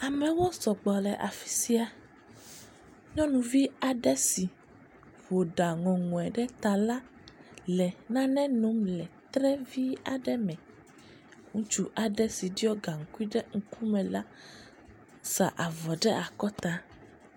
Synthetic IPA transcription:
a˨mɛ̃˨wo˦sɔ˨ɡ͡bɔ˨lɛ˨ʔa˨fi̥˨˦si˦a˨ | ɲɔ̃˦nũ˨vi˦a˨ɖɛ˦si˨ | vo˨ɖa˨ŋɔ̃˨ŋɔ̃˨ɛ˨ɖɛ˦t̪a˨la˦ | lɛ˨nã˦nɛ̃˦nõ˨˦mlɛ˨t̪ɾɛ˦vi˦a̰˨ɖɛ˦mɛ̃˨ | ŋũ˦t͡ʃu˦ʔa˨ɖɛ˦si˨ɖi˦ɔ˦ɡa˨ŋ̩˨ku˦i˦ɖɛ˦ŋ̩˦ku˦mɛ̃˨la˦ | sa̰˨ʔa˨vɔ˨ɖɛ˦ʔa˨kɔ˦t̪a˦

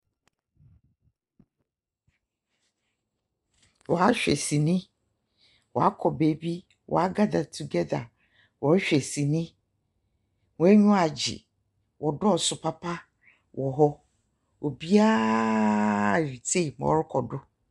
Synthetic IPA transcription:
wɔ˨a˦ɕᶣɛ̰˨si˨nɪ̃˦ | wɔ̰˨a˦kʰɔ˨be˨bi˦ | wʔɔ̰˨a˦ɡa˦da˨tʰu˨ɡɛ˦da˨ | wɔ˨a˦ɕᶣɛ˨si˨nɪ̃˦ | wɔ˨˦æ˦ɲᶣũ˦a˨d͡ʑɪ̰˨ | wɔ˨dʊ˦ɔ˨sʊ˨pʰa˦pʰa˦ | wʔɔ˨ɦɔ˦ | o˨bi˦a˦˨ | ɾi˨tʰe˦˨mɔ̰̃˨˦ɾɪ˦kʰɔ˨dʊ˦

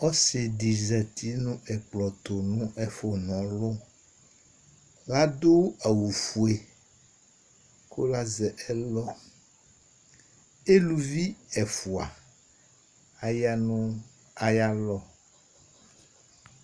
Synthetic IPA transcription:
ɔ˦se˨di˨zɛ˨t̪ʰi˦nũ˦ɛ˨k͡plɔ˨t̪o˨nũ˦ʔɛ˦fo˨nɔ̃˨˦lo˦ | ɣa˦d̪o˦a˨wu˨fu˨e˨ | ko˦la˦zɛ˨ʔɛ˦lɔ˦ | e˦lu˨vi˦ɛ˨fu˨a̰˨ | a˨ja˦nũ˦ | a˨ja˦lɔ˦

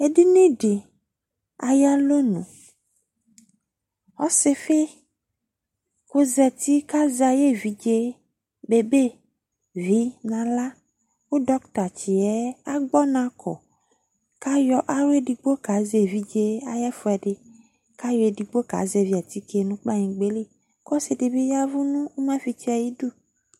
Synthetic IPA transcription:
e˨di˦nẽ˦ɖe˨ | a˨ja˦lo˦nũ˨ | xɔ˦se˦fe˦ | ko˦zɛ˨t̪i˦ka˦za˨je˦vi˨d͡ʒe˦ | be˦be˦ | vi˦nã˨la˦ | wo˦ɖɔ˦kt̪a˨t͡ʃi˨ɛ˦a˦ɡ͡bɔ˦nã˦kʰɔ̰˨ | ka˦jɔ˦ʔa˦we˦ɖi˨ɡ͡bo˦ka˨˦ze˨vi˦d͡ʒe˦a̰˨jɛ˦fu˨˦ɛ˨ɖe˨ | ka˦jɔ˨˦e˨di˨ɡ͡bo˦ka̰˨˦ze˨vi˨a˨t̪i˦ke˨nũ˦k͡pa˦ɲĩ˨ɡ͡be˦li˦˨ | kɔ˦se˨de˨be˦ja˦vu˦nũ˦wo˦mã˦fi˨t͡ʃi˦a˨ji˦ɖu˦

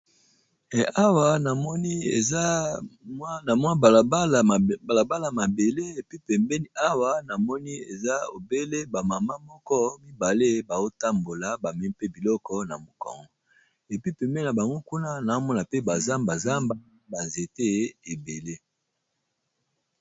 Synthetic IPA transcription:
ɛ˨a˦wa˨na˨mɔ˦ni˦ḛ˨za˦mwa˦na˨mwa˦ba˨lba˦lba˨la˨ba˦la˨ma˨be˨le˦e˨pi˦pɛ˨mbɛ˦ni˦ʔa˦wa˦na˨mɔ˦ni˦e˨za˦o̰˨be˦le˦ba˨ma˨ma˦mɔ˦kɔ˦mi˦ba˨le˦ba˨o˦ta˦mbo˨la˨ba˨mɛ˨ni˦pe˦bi˨lɔ˦kɔ˦na˨mo˨ka̰˨ŋɡɔ˦ | e˨pi˦pɛ˨mbɛ˦na˨ba˨ŋɡo˦ku˦na˦na˨˦mɔ˦na˨pe˦ba˨za˦mba˨za˦mba˦ | ba˨ze˨te˦e˨be˨le˦

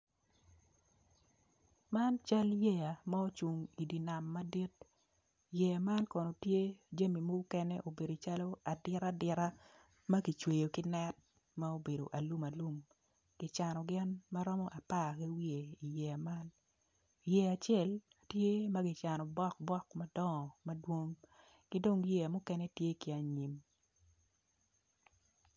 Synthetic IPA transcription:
ma˦nt͡ʃa˦lje˦ja˨ma˦o˦t͡ʃu˨ŋi˨di˨na˨mːa˦di˦t̚ | jɛ˨a˨ma˦nkɔ˨no˨tje˦d͡ʒa˦mi˨mo˦ɡkɛ˦nɛ˦ʔo˨be˨do˨t͡ʃa˦lo˦a˨dɪ˦ɾa˦dɪ˨ɾa˦ | mɐ˦ɡi˨t͡ʃwe˨jo˨kɪ˦nɛ˦t̚ | ma˦o˦be˨do̰˨ʔa˨lu˦ma˨lu˦m | ɡ̥ɪ˨t͡ʃa˨nɔ˨ɡɪ˦nma˦ɾɔ˦mɔ˦ʔa˨pa˦˨ki˦wi˦e˨i˨jɛ˨ma˦n˨ | jɛ˦a˨t͡ʃɛ˦˨l | tje˦mɐ˦ɡɪ˨t͡ʃa˨nɔ˨bɔ˦k̚bɔ˦kma˦dɔ˦ŋɔ˨mɐ˦dwo˦ŋ | kɪ˦do˦ŋjɛ˦a˨mʊ˦kɛ˦nɛ˦tje˦kɪ˨a˨ɲi˨m

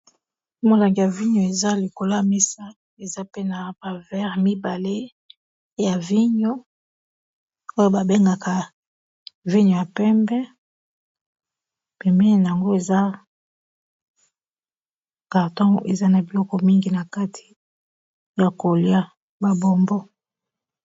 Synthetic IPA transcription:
mo˨la˨ŋɡi˨ja˨vi˦ɲo˨e˨za˦li˨ko˨la˦˨me˦sa˦ | e˨za˦pe˦na˨ba˨vɛ˦ʁmi˦ba˨le˦ | ja˨vi˦ɲo˦ | o˦jo˦ba˨be˦ŋɡa˨ka˨ | vi˦ɲo˨ja˨pɛ˦mbɛ˦ | pɛ˨mɛ˦˨na˨a˨ŋɡo˦e˨za˦ | ka˨ʁtɔ̃˦e˨za˦na˨bi˨lɔ˦kɔ˨mi˦ŋɡi˨na˨ka˦tʰi̥˨ | ja˨ko˨lja˦ | ba˨bo˨mbo˦

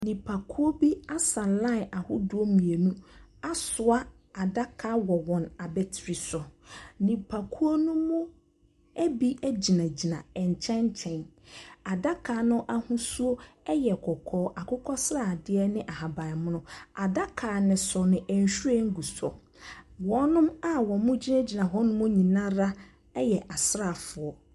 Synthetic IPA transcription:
nĩ˨pʰa˨kʰu˦o˦bi˦a˦sã˨lã˦˨a˨hʊ˦du˦o˦mĩ˨e˨nũ˦a˦sʊ˨a˦ | a˨da˦kʰa˦wɔ˨wɔ̃˨na˨bɛ˦tʰɾi˨sɔ˨nĩ˨pʰa˨kʰu˦o˦nũ˦mʊ̃˦ | ɛ˦bi˦ʔɛ˦d͡ʑi˨nã˨d͡ʑi˨nã˨ɛ˨ɲ˨t͡ɕʰɛ̃˦ɲ˦t͡ɕʰɛ̃˨na˨da˦kʰaː˨nʊ̃˦ʔa˦hũ˦su˦o˦ɛ˦jɛ˨kʰɔ˨kʰɔː˦ʔa˨kʰʊ˦kʰɔ˦sɾa˦˨dɪ˦ɛ˦nɪ̃˦ʔa˨ɦa˨ba˨mʊ̃˦nʊ̃˦a˨da˦kʰaː˨nɪ̃˨sɔ˨nɪ̃˨ʔɛ˨ɲ˨ɕᶣu˦ɛ˦ŋ̩˦ɡu˨sɔ̰˨ | wɔ̃˨˦nʊ̃˦ma˦wɔ˨mʊ̃˦d͡ʑi˦nã˦d͡ʑi˨nã˨ɦɔ˦nʊ̃˦mʊ̃˦ɲĩ˨nã˦ɾa˦ | ɛ˦jɛ˨ʔa˨sɾa˨fʊ˨ɔ˨

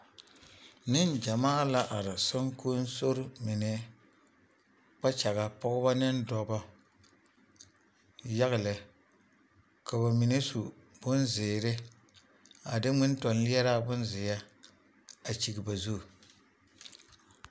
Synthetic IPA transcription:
nɨ˦nd͡ʒa˨maː˦˨la˦ʔa˨ɾɪ˨sa˦ŋko˦n˦so˦ɾʊ˦mi˨nɛ˨ | k͡pa˦t͡ʃa˨ɣa˦pɔ˦ɡʊ˦ba˦nɨ˦ndɔ˨ba˦ | ja˦ɣɪ˨lɪ˨ | ka˨ba˨mi˨ne˦su˨ | b̥ʊ˦nzɪː˨ɾɪ˦ | a˨dɪ˦ŋɪ˦n˦tɔ˨nli˦ɛ˦ɾa˦bʊ˦nzɪ˨ja˦ | a˨t͡ʃi˨ɡɪ˨ba˨zu˦˨

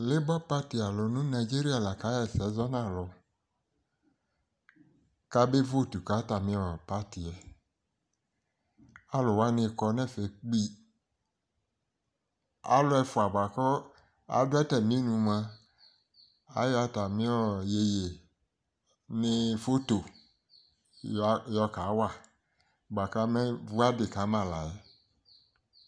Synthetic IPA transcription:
le˦bɔ˦pa˦ti˨a˨lɔ˨nũ˦na˨i˨d͡ʒi˦ɾi˦a˨la˨ka˨˦jɛ˨sɛ˨˦zɔ˦nã˦˨lɔ˨ | ka˦be˦vo˦˨tu˨ka˨˦ta˨mĩ˦ɔ˨pa˦ti˨ɛ˨ | a˦lʊ˨wa˦nɪ̃˧˦kɔ˧nɛ̃˦˨fe˨k͡pi˦ | a̰˦lo˦ɛ˧fu˨a˨ba˨kɔ˦ | a̰˨˦dʊ˦ɛ˦tɛ˨mĩ˦nũ˨˧mã˧ | a̰˨˦jɔ˦a˨ta˨mĩ˦ɔ˦˨je˨je˨ | nĩ˧fo˦to˨ | jɔ˧ka˨˦wa˦˨ | ɡ͡ba˨ka˦mɛ˦vu˦a˦de˨ka˨˦mã˨la˨ɛ˦

